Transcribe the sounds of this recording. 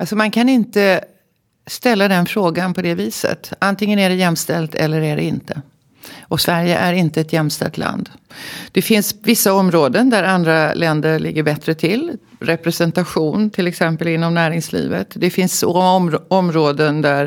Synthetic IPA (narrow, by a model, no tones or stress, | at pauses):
alsɔmankʰanɪnt̪ə | st̪ɛlːad̪ɛnfɾoːɡanpʰɔd̪ɛviːsə̰t̪ant̪ɪŋːənæɖɛjɛmːst̪ɛlt̪ʰɛ̰lːəɾæɖɛ̰ɪnt̪ə | ʔɔsvæɾjə̰ʔæɾɪnt̪əɛt̪jɛmːst̪ɛ̰lt̪ʰlʔa̰nd̪d̪̥ɛfɪnsvɪsːaɔmɾoːd̪ənd̪æɾand̪ɾalɛnd̪əɭɪ̰ɡːəɾbɛt̪ɾət̪ʰɪl | ɾɛpɾɛsɛnt̪aɧuːnt̪ʰɪlɛksɛmpəlɪnːɔmnæːɾɪŋslḭːvə̰t̪d̪ɛfɪnsɔɔmɾoːd̪ənd̪æɾ